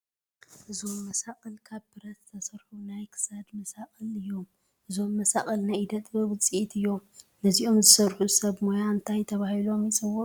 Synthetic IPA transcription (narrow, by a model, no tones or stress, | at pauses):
ʔɨzo̞mːɐsakʼɐlkʰaβbɨɾɐt̪t̪ʰɐsɐɾħunajkʰɨ̥sad̪mɐsakʼɐlɨjːo̞m | ʔɨzo̞mːɐsaχʼɐlnajd̪ɐt̪ʼbɨwɨt͡sʼiʔit̪ɨjːo̞mnɨziʔo̞mzɨsɐɾħusɐβmojaɨnt̪ʰajt̪ʰɐβahilo̞mit͡sʼɨwo